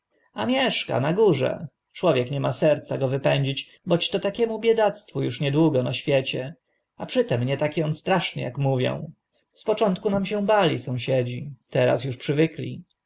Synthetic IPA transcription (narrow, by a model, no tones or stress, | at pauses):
amʲjɛʂka̰naɡuʐɛ̰ | t͡ʂwɔvʲjɛkɲɛmasɛɾt̪saɡɔvɘpɛɲd͡ʑit͡ɕ | bɔt͡ɕt̪ɔt̪akʲɛmubʲjɛd̪at̪st̪fujuʂɲɛd̪wuɡɔnaɕfʲjɛt͡ɕɛ | apʂɘt̪ɛmɲɛt̪akʲiɔnt̪st̪ɾaʂɲɛ̰ja̰kmuvʲjɔ̰̃w̃ | spɔt͡ʂɔnt̪kunamɕɛ̃w̃balʲisɔ̃w̃ɕɛd͡ʑit̪ɛɾa̰sjuʂpʂɘvɘklʲḭ